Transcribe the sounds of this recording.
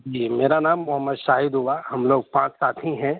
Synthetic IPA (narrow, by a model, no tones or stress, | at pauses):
d͡ʒiːmeːɾanaːmːʊɦəmːəd̪ʃaːɦɪd̪ɦʊʋahɐmloːɡ̚pãːt͡ʃsaːt̪ʰɦĩɦɛ̃ː